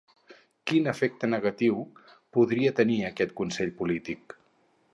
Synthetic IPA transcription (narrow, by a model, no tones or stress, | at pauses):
kinəfek̚t̪ənəɣət̪iwpuðɾiət̪əniəkɛt̪kunsɛʎpulit̪ik